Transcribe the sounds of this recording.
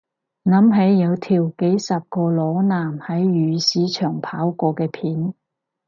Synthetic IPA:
nɐ˨˥mɦe˨˥jːɐ˨˧wt̪ʰiː˨˩wke˨˥jsɐ˨p̚kɔː˧lɔː˨˥naː˨˩mhɐ˨˥jɥyː˨˧siː˨˥t͡ʃʰœː˨˩ŋpʰaː˨˥wkɔː˧kɛː˧pʰiː˨˥n

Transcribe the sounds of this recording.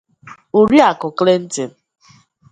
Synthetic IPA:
u˨ɾi˦a˨kʊ˨kle˦n̩˦tɪ˨n̩˦

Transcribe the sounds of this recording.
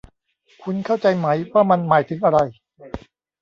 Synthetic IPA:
kʰu˧nkʰa˥˩wt͡ɕa˧jma˦˥jwaː˥˩ma˧nmaː˩˦jt̪ʰɯ˩˦ŋʔa˧ɾa˧j

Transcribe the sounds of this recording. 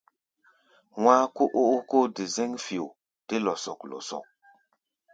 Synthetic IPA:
waː˦ko˦ʔo˦ʔo˦ko˦de˨zɛ˦ŋfi˨o˨ | d̥e˦lɔ˨sɔ˨klɔ̰˨sɔ̰˨k̚

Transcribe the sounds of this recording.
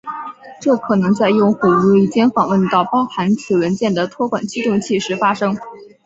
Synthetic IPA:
ʈ͡ʂɤ˥˩kʰɤ˨˩nɤ˧˥ŋt͡sa˥˧ɪjʊ˥˩ŋxwu˨˩u˧˥˧i˥˩t͡ɕjɛ˥nfɑ˨˩ŋwə˥˧nt̪ɑ˥˩ʊpɑ˥ʊxa˧˥nt͡sʰɹ̩˨˩wə˧˥nt͡ɕjɛ˥˩nd̪ə˩t̪ʰwɔ˥kwa̰˨˩nt͡ɕi˥t̪ʊ˥˧ŋt͡ɕʰi˥˩ʂɻ̩˧˥fa˥ʂɤ˥ŋ

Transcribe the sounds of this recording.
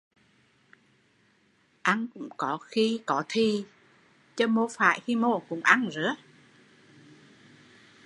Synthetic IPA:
ʔa˧nkʊ̰˧˥ŋ͡mkɔ˨˦xi˧kɔ˨˦t̪ʰi˧ | t͡ɕə˧mo˧fa̰ː˧˨jxi˧mo˧˩kʊ̰˧˥ŋ͡mʔa˧nzɨ̰˧˥ə

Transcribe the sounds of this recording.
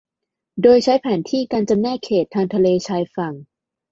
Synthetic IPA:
doː˧jt͡ɕʰa˦˥jpʰɛː˩˦nt̪ʰiː˥˩kaː˧nt͡ɕa˧mnɛː˥˩kʰeː˨˩t̪ʰːaː˧ŋt̪ʰa˧leː˧t͡ɕʰaː˧jfa˨˩ŋ

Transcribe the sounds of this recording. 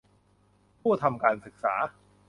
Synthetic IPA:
pʰuː˥˩ɐt̪ʰa˧mkaː˧nsɯ˨˩k̚sa̰ː˩˦

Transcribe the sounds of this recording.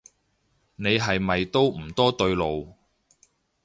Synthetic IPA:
ne˨˧jɦɐ˨jmɐ˨jt̪o˥wm̩˨˩t̪ɔː˥t̪ɵ˧ɥlo˨w

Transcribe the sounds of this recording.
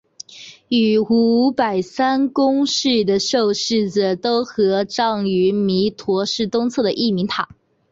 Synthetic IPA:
y˨˩u˧˥pa˨˩ɪsa˥nkʊ˥ŋʂɻ̩˥˩d̪ə˩ʂo˥˧ʊʂɻ̩˥˩d͡z̩˩t̪o˥ʊxɤ˧˥ʈ͡ʂɑ˥˩ŋy˧˥mi˧˥t̪ʰwɔ˧˥ʂɻ̩˥˩t̪ʊ˥ŋt͡sʰɤ˥˩d̪ə˩ʔi˥˩mi˧˥ŋt̪ʰa˨˩˦

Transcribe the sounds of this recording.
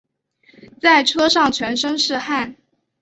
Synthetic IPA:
t͡sa˥˩ɪʈ͡ʂʰɤ˥ʂɑ˥˩ŋt͡ɕʰɥɛ˧˥nʂɤ˥ŋʂɻ̩˥˧xa˥˩n

